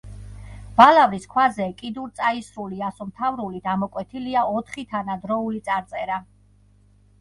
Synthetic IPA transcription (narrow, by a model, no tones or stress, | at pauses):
b̥alaviskʰwazɛkʼid̪uɾt̪sʼaisɾuliasɔmt̪ʰavɾulid̪amɔkʼwɛt̪ʰiliaɔt̪ʰχit̪ʰanad̪ɾɔulit̪sʼaɾt̪sʼɛɾa